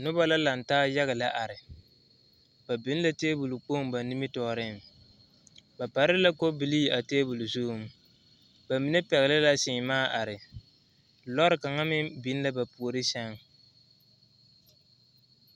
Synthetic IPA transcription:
nʊ˦ba˦la˦la˨n˨taː˦ja˦ɣa˨la˦ʔa˨ɾɪ˨ | ba˨bɪ˦n˦la˦teː˦bu˨lu˨k͡po˦m˦ba˨nɪ˦mɪ˦tɔː˨ɾɪ˦˨ | ba˨pa˨ɾɪ˦la˦ko˦bi˨liː˦˨˦a˨teː˦bu˨lu˨zu˦u˨m˦ | ba˨mi˨nɛ˦pɛ˨ɣɪ˨lɪ˦la˦sɪ˨ŋ˨maː˦ʔa˨ɾɪ˨ | lɔ˦ɾɪ˨ka˨ŋa˦mɪ˦bi˨˦n˦la˦ba˨pu˨o˨ɾɨ˦ʃɛ˦ŋ

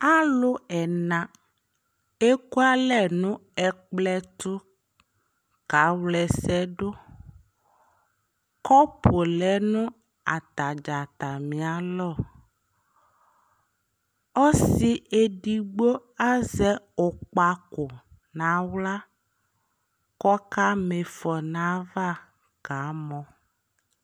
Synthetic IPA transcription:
a˦lo˦ɛ˨nã˨ | e˦ku˦a˦lɛ˦˨nũ˦ɛ˨k͡plɛ˦t̪u˦ | ka˨˦wlɛ˨sɛ˦ɖo˦ | kɔ˦po˨lɛ˨˦nũ˦ | a̰˨t̪a˨d͡ʒa˨t̪a˨mĩ˨a˨˦lɔ˦˨ | ɔ˦si˨e˨ɖi˨ɡ͡bo˦a˦zɛ˦o˨k͡pa˨ko˨ | nã˨˦wla˦ | kɔ˦ka˦me˨fɔ˨nã˨˦va˦ | ɡ̥a˨˦mɔ̃˨

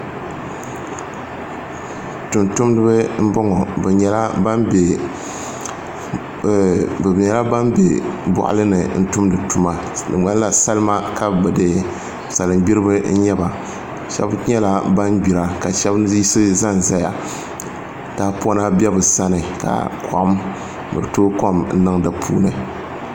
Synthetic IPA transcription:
tu˨ntu˦mdɨ˦bɨ˦m̩˦bɔ˦ŋɔ˨bɛ˨ɲɛ˨la˦ba˦mbe˨ | bɛ˨bɲɛ˨la˦ba˦mbḛ˨bʊ̰˨ʔa̰˦lɨ˦nɨ˨n̩˦tu˦mdɨ˨tu˨ma˨ | nɨ˨ŋa˦n˦la˨sa˦lɨ˦ma˦ka˦˨bɛ˨dɨ˨ | sa˨lɨ˨mɡ͡bi˦ɾɨ˦bɨ˦n̩˦ɲɛ˦ba˨ | ʃɛ̰˦bɲɛ˦la˦ba˦nbi˨ɾa˨ka˨ʃɛ˦bzi˦sɨ˦za˦n˨za˦ja˨ | daː˦pɔ˦na˦bʲɛ˦bɨ˨sa˦nɨ˨ka̰˨kʰa̰˨ʔʊ˦m | bɨ̰˨ɨ˨toː˦ko˦mn̩˦nɨ˦ŋdɨ˨pʰuː˦nɨ˨

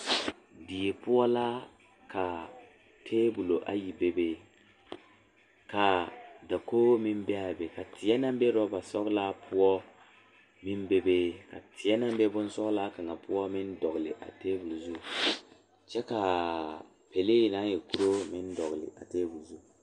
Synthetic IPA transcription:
di˨e˨pʊ˦ɔ˦la˦ | ka˨ | tʰeː˦bu˨lo˨ʔa̰˦ji˨be˦be˦ | ka˨da˨koː˦mɪ˦m˦bɛ˦a˨be˨ka˨tʰɪ˨ɛ˦na˦m˦bɛ˦ɾɔ˦ba˨sɔ˦kla˦pʰʊ˦ɔ˦ | mɪ˦nbe˦be˦ka̰˨tʰɪ˨ɛ˦na˦mbɛ˦bʊ˦n˦sɔ˦kla˦ka˨ŋa˨pʊ˦ɔ˦mɪ˦ndɔ˨ɣlɪ˨ʔa̰˨teː˦bu˨lzu˦˨ | t͡ʃɛ˦ka˨ | pe˨le˦˨na˦jɛ˨ku˦ɾo˦mɪ˦n˦dɔ˨ɣlɪ̰˨ʔa̰˨teː˦bu˨lzu˦˨

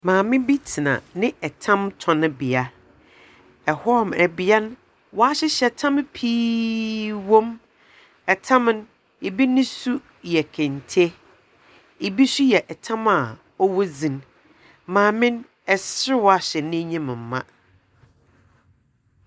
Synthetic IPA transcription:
mãː˨mɪ̃˦bi˦tʰi˨nã̰˨nɪ̃˦ɛ˨tʰã˦mtʰɔ̃˨nʊ̃˦bi˨a˨ | ɛ˨hɔ˦ɔ˦˨mɛ˨bi˨˦a˦n˦ | wɔ˨a˦ɕɪ˦ɕɛ˨tʰã˦m˦pʰiː˦ | wõ˦m | ɛ˨tʰã˦m˦n˦ | e˨bi˦nɪ̃˦su˦ | jɛ˨kʰɛ̃˨ntʰe˦ | e˨bi˦su˦jɛ˨ʔɛ˨tʰã˦ma˨ | ɔ˦wɔ˦zĩ˨n | mãː˨mɪ̃˦n | ɛ˨sɾɪ˦wɔ˨a˦ɕɛ˨nɪ̃˦ɲĩ˦m˨m̩˨mã̰˦

